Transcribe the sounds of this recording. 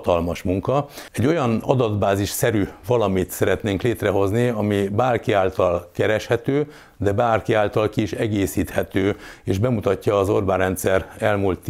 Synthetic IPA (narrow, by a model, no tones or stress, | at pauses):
t̪ɒlmɒʃmuŋkɒɛɟːo̞jɒnɒ̰d̪ɒd̪baːziʃsɛɾyvɒlɒmit̪sɛɾɛt̪neːŋkleːt̪rɛɦo̞zniɒmibaːrkiaːlt̪ɒlkɛɾɛʃhɛt̪øː | d̪ɛbaːrkiaːlt̪ɒlkiːʃɛɡeːsiːt̪hɛt̪øːeːʒbɛmut̪ɒcːɒːzorbaːrɛnt̪sɛrɛlmult̪ː